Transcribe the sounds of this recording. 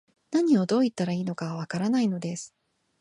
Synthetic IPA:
naɲ̟io̞d̪o̞ːit̪ːaɾaiːno̞kaβaβakaɾanaino̞d̪e̞sɨ̥

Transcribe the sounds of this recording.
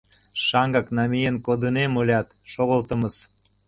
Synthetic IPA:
ʃɑŋɡɑknɑmʲijənkod̪ənemolʲɑt̪ʃoɣəlt̪ə̆mə̆s

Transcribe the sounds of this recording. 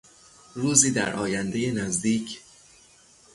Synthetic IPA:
ruːziːd̪æ̰ɾʔɒːjænd̪ejenæzd̪iːcʰ

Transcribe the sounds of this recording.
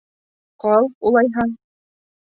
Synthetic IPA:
qɑlˠulˠɑjɦɑŋ

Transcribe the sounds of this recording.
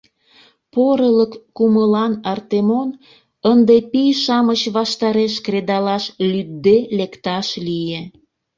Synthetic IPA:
poɾələkːuməlɑnɑrt̪emon | ənd̪epijʃɑmət͡ɕβɑʃt̪ɑɾeʃkred̪ɑlɑʃlyd̪̚d̪elekt̪ɑʃlije

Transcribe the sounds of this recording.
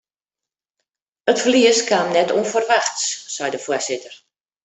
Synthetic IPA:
ətfliəskamnɛtʰuənfərʋaxtssɛjdəfuəsɪtər

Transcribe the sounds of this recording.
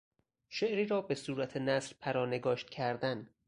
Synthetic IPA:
ʃeʔɾiːɾɒːbe̞suːɾæt̪ʰenæsɾpʰæɾɒːne̞ɡɒːʃt̪̚cʰæɾd̪æn

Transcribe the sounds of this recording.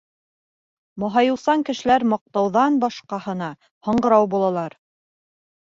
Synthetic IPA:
mɑɦɑjɤ̆wsɑŋkɘ̆ʃɘ̆læɾmɑq̚t̪ɑwðɑnbɑʃqɑhɤ̆nɑ | hɤ̆ɴɢɤ̆ɾɑwbulˠɑlˠɑɾ

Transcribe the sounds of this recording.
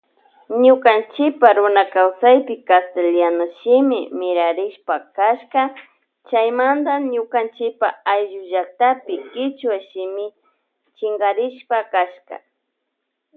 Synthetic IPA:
ɲʊkant͡ʃɪpaɾʊnakawsajpɪkast̪eljanaʃɪmɪmɪɾaɾɪʃpakaʃka | t͡ʃajmand̪aɲʊkant͡ʃɪpa̰ajʒʊʒak̚t̪apɪkɪt͡ʃwaʃɪmɪ | t͡ʃɪŋɡaɾɪʃpakaʃka̰

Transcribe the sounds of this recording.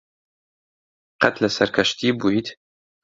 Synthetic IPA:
qɐt̪lɐsɐɾkʰɐʃt̪iːbujt̪

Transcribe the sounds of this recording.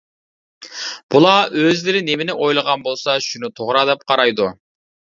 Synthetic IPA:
b̥ulˠɑøzd̪eɾɪnemɪnɪʔo̞jlˠɑʁɑnbo̞lˠsɑʃynyt̪ʰoʁɾɑd̪ep̚qʰɑɾɑjd̪ʊ

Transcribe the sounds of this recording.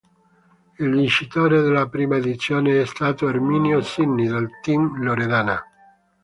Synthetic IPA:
ilvint͡ʃit̪oːɾed̪elːapɾiːmaed̪it̪sːjoːneɛst̪aːt̪oermiːnjosinːid̪alt̪imloɾed̪aːna

